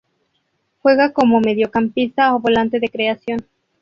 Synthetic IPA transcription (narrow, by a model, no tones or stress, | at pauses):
xwe̞ɣako̞mo̞me̞ðjo̞kampist̪aoβo̞lant̪e̞ðe̞kɾe̞asjo̞n